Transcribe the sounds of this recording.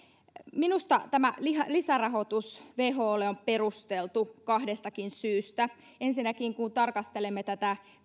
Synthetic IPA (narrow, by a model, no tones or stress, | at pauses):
minust̪ɑt̪æmælihɑlisærɑhot̪usʋeːɦoːleomperust̪elt̪ukɑhdest̪ɑkinsyːst̪æ | ensinækiŋkunt̪ɑrkɑst̪elemːet̪æt̪æ